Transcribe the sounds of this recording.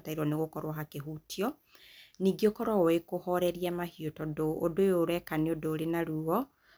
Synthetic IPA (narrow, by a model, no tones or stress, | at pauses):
taiɾwɔneɣokɔɾwaɦakeɦutiɔ | niːɡiokɔɾɔekohɔɾɛɾiamahiotɔdoːdojoɾwɛkaneodoːɾenaɾuɔ